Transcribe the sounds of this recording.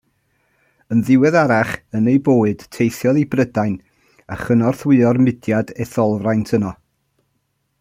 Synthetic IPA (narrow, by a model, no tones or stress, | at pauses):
ənðɪwɛðaɾaχənejboːɨd̥tʰejθjɔðibrədajn | aχənɔrθwɨɔrmɪdjadɛθɔlˠvrajntʰənɔ